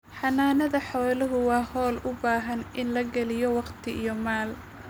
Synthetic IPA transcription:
ħɑnaːnɐðɐħɔːlɐɦʊwɑːhɔːlʊbaːɦɐnʔɪnlɐɡɐlɪjɔwɑqt̪ʰɪʔijɔmaːl

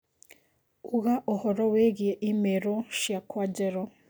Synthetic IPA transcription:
uɣaʔohoɾoweːɡijeʔimeɾoʃjakwaɟeɾo

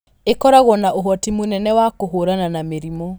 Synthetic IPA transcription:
ekɔɾaɣɔnaʔoɦɔtimonɛnɛwakoɦoɾananameɾimɔ

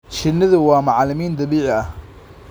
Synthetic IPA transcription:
t͡ʃɪnːɪðʊwɑːmɑʕlɪmiːnd̪ɐβiːʕɪɐh

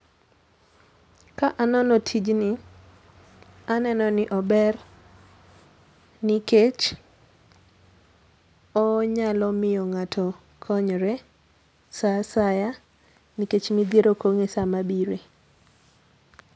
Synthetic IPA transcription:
kaʔanɔnɔtʰid͡ʒnɪ | anɛnɔnɪʔɔbɛr | nɪket͡ʃ | ɔɲalɔmɪjɔŋatʰɔ | kʰɔɲɾɛ | sasaja | niket͡ʃmid̪jeɾokoŋesamabiɾe

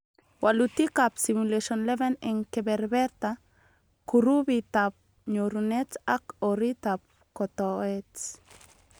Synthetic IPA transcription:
walut̪ikapsimuleʃonleβeneŋkebeɾbeɾt̪a | kuɾuβit̪ap̚ | ɲoɾunet͡sakoɾit̪ap̚ | kot̪oet͡s

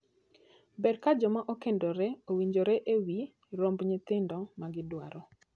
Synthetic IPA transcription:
bɛrkad͡ʒɔmaʔokendoɾɛowiɲd͡ʒoɾɛʔewi | ɾombɲɪt̪ɪndɔmaɡɪdwa̰ɾɔ

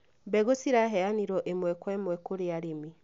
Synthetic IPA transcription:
bɛɣosiɾaɦɛaniɾɔʔemwɛkwɛmwɛkoɾeaɾemi

